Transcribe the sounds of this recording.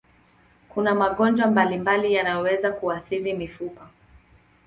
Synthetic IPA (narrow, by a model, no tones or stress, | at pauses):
kunamaɠɔnd͡ʒwambalimbalijanajɔwɛzakuaθiɾimifupɔ